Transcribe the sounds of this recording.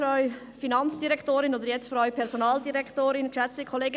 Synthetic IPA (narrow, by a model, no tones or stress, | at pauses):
ɾœʏ | finɑnt͡sd̥iɾɛkʰtoːɾɪnoːd̪əɾjɛt͡stfɾœʏpʰɛɾsonɑːldiɾɛktoːɾɪnkʃæt͡stikʰoleːɡə